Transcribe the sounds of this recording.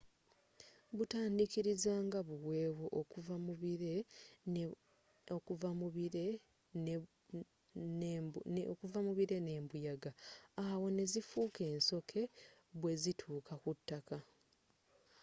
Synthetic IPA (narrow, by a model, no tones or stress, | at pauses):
βutaːndikiɾizaːŋɡaβuwe̞ːwoʔokuvamuβiɾe | okuva | okuvamuβiɾe̞ne̞ːmbujaɡaawo̞ne̞zifuːke̞ːnso̞kʰe̞ | βwe̞zitʰuːkʰakutːaka